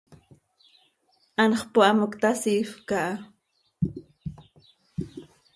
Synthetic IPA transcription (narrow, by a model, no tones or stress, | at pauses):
ʔanχpoʔamokt̪asifkaʔa